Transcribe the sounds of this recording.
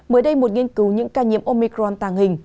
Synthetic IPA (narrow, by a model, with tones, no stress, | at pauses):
məː˨˦jɗə˧jmo˨˩t̚ŋi˧ənkɨ˨˦wɲɨ̰˧˥ŋkaː˧ɲḭ˧˥əmʔo˧mi˧kɾɔ˧nt̪aː˧˩ŋhï˨˩ŋ̟